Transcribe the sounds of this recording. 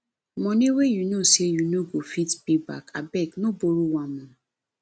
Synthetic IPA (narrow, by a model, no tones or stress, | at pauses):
mɔ̃niwejunosejunoɡofitpeba̰ka̰bɛknõboɾuwamɔ̃